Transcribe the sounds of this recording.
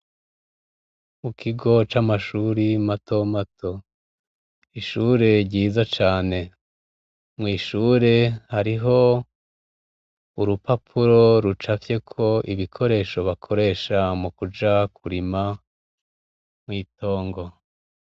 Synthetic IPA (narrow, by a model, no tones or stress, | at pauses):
mukiɡo̞t͡ʃamaʃuːɾimato̞matʰo̞ | iʃuːɾe̞ɾɟiːzat͡ʃaːne̞ | mŋiːʃuːɾe̞haɾiɦo̞ | uɾupapʰuɾo̞ɾut͡ʃafje̞kʰo̞ʔiβikʰo̞ɾe̞ːʃo̞βakʰo̞ɾe̞ːʃamukud͡ʒakʰuɾima | mwiːto̞ːŋɡo̞